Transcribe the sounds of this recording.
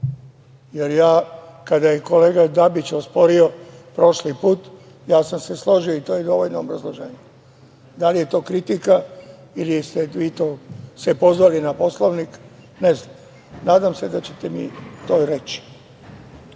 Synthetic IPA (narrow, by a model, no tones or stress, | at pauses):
jeɾjaːkad̪ajeko̞le̞ːɡad̪abit͡ɕospo̞ɾio̞pɾo̞ʃlipuːt̪ | jaːsamseslˠo̞ʒioit̪o̞ːjed̪o̞ʋo̞ʎnoːbɾazlˠoʒḛːɲe | d̪alije̞t̪o̞ːkɾit̪ika | ilist̪eʋiːt̪oːsepo̞zʋalinapo̞slˠoʋnik | neza | naːd̪amsed̪at͡ɕet̪emḭt̪oːɾe̞t͡ɕi̥